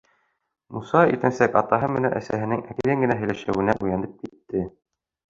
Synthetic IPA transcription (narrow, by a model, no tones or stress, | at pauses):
musɑit̪ɘ̆nsækɑt̪ɑɦɤmɘ̆næ̰nʔæ̰sæɦɘ̆nɘŋækɘðɘŋɡɘ̆næɦɘ̆jlæʃæwɘ̆næʔʉjænɘp̚kit̪ːɘ